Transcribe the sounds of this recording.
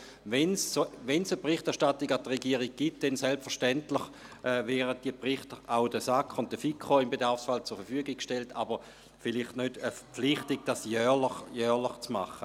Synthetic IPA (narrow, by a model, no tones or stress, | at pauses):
ʋɛnsoʋɛnsəpʁɪχtɛɐʃtatiɡadʁeɡiːəʁiɡ̚ɡ̥it̚d̥ɛnsɛlpfəʁʃtɛntlɪχ | ʔɛvɛːʁət̚d̥iəpʁɪχtəʁaʊdəsakʰχʊnt̚d̥əfikʰχoimbedaʁfsfalt͡sʊɐɾfəfyəɡɪk̚kʃteltʰa̰bəʁ | fɪliχtnødəfəpp͡fflɪχtiɡ̚d̥asjœːləχjœːʁlɪχt͡sma̰χə